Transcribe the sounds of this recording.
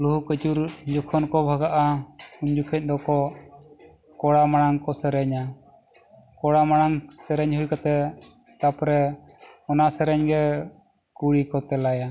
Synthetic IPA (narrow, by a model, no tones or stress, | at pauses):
luhukət͡ʃuɾd͡ʒɔkʰɔnkɔbʱaɡaʔauɲd͡ʒukʰɛc̚ˀd̪ɔkɔ | kɔɽamaɽaŋkɔsɛɾɛɲa | kɔɽamaɽ̃aŋsɛɾɛɲɦujkat̪ɛ | t̪apɾɛ | ɔnasɛɾɛɲɡɛ | kuɽikɔt̪ɛlaja